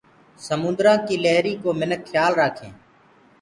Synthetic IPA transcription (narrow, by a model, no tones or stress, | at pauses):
səmʊ̃nd̪ɾãːkiːleɦɾiːkoːmɪnəkːʰjaːlɾaːkʰḛ̃ː